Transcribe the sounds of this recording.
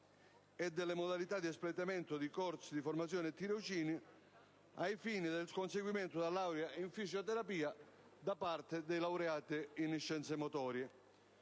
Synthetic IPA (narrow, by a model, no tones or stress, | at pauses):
ɛd̪ːelːemod̪alit̪ad̪ːiɛsplet̪ament̪ʊd̪ikɔɾsid̪iformat̪sjɔːnɪet̪ːiɾot͡ʃiːni | ajfiːnid̪elskonseɡwiment̪ʊd̪alːawɾjaiɱfisjot̪ɛɾapiːa | d̪apart̪ɪd̪ejlawɾeaːt̪ɪinːiʃːɛnt̪semot̪ɔːɾje